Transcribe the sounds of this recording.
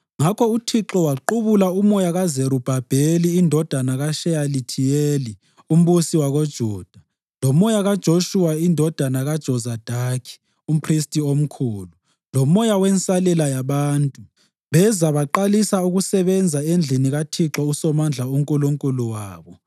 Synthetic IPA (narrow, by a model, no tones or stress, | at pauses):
ŋakʰɔutʰiǁɔwaǃuβulaumɔjaɣazeɾub̥ʱab̥ʱeliːndʱɔd̥ʱanaɣaʃɛjalitʰijeːli | um̩βusiwaɣod̥ʒ̥ʱuːd̥ʱa | lɔmɔjaɣad̥ʒ̥ʱoʃuwaindʱɔd̥ʱanaɣad̥ʒ̥ʱɔzad̥ʱakʰi̥ | um̩pʰristʼiom̩kʰuːlu | lɔmɔjawɛnsʼalɛlajaβaːntʼu | βɛzaβaǃalisauɣusɛβɛnd͡zʱaend͡ɮʱiniɣatʰiǁɔusɔmand͡ɮʱauŋkʼuluŋkʼuluwaːβɔ